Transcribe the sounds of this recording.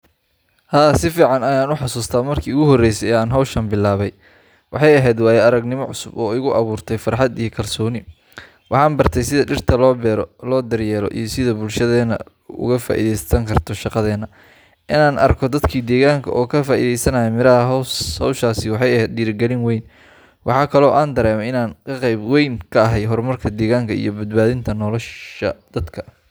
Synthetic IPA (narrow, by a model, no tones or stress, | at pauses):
haːsɪfiːʕɑnɐjaːnʊħɑsuːst̪ʰaːmɐrkʰiːʊɣʊɦɔrːɛjsɛjɛːaːnɦɐwʃɐmbɪlːaːβɛj | wʔɑħɑjɐɦɛːd̪waːjɛɐɾɐɡnɪmɔʕʊ̰sʊbɔːɪɣʊʔɐβuːrt̪ʰɛjfɐrħɑd̪ijɞkʰɐlsɔːnɪ | wʔɑħɑːnbɐrt̪ʰɛjsɪðɐɖɪrt̪ʰɐlɔːbɛːɾɔlɔːd̪ɐrjɛːɾɔ̰ʔḭjɞsɪðɐbʊlʃɐðɛːnɐ̰ | ʊ̰ɣɐfa̰ːʔḭðɛjsɐŋkʰɐrt̪ʰɔʃɑqɑðɛːnɐ | ʔɪnaːnɐ̰rkʰɔd̪ɐd̪kʰiːd̪ɛːɣaːŋkʰɐ̰ʔɔːkʰɐfaːʔiðɛjsɐnɐjɛmɪɾɐɦɐɦhɔwʃaːsɪwɑħɑjɐɦɛːd̪ɖiːɾɪɡɛlɪnwɛjn | wʔɑ̰ħɑːkʰɐlɔːʔaːnd̪ɐɾɛːmɛɪnaːnkʰɐqɛjbwɛjŋkʰɐɐɦɛjɦɔrmɐrkʰɐd̪ɛːɣaːŋkʰɐḭjɔbɐd̪̚baːðɪnt̪ʰɐnɔlɔʃɐd̪̥ɐd̪kʰɐ̥